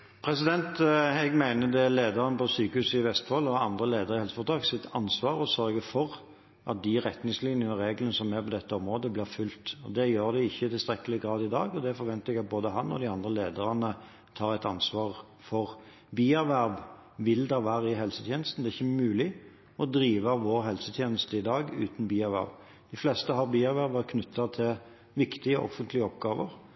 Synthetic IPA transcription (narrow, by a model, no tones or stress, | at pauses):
pʰɾɛsɪd̪ɛnt̪ɛɡmæɪnəd̪ɛleːd̪əʁənəpʰɔsyːkəhʉːsɪʋɛst̪fɔlːɔɑnd̪ʁəleːd̪əʁəɪhɛlsə̥fɔʁt̪ʰɾɑːksɪt̪ʰɑnsʋɑːɾɔsœɾɡəfɔʁ | ʔɑ̰t̪̚d̪ɪʁɛt̪nɪŋslɪnjənəʁeːɡlənəsɔmæpɔd̪ɛt̪ːəɔmʁoːd̪əblɪːʁfʉlt̪ɔ̰d̪ɛjøːɾd̪ɛɪçːəɪt̪ɪlst̪ɾɛkːəlɪɡʁɑːd̪ɪd̪ɑ̰ːɡɔd̪ɛfɔɾʋɛnt̪əɛɡɑt̪̚boːd̪əɦɑnɔ̰d̪ɪɑnd̪ʁəleːd̪əʁɑnə | t̪ʰɑːʁæɪt̪ɑnsʋɑːʁ | fɔʁ | biːæʁʋæʁʋʋɪld̪ɛʋæːʁəɪɦɛlsət̪ʰjeːnəst̪n̩d̪ɛæːʁɪçːəmʉːlɪ | ɔd̪ɾiːʋəʋoːʁɦɛlsət̪ʰjeːnəst̪əɪd̪ɑːɡʉ̰ːt̪nbiːæʁʋæ̰ʁʋ | d̪̥ɪflɛst̪əɦɑʁbiːæʁʋæʁʋəʁkʰnʉt̪ʰːɑt̪ʰɪl | ʋɪkt̪ɪəɔʔɔ̰fːənt̪lɪəɔpɡɑːʋəʁ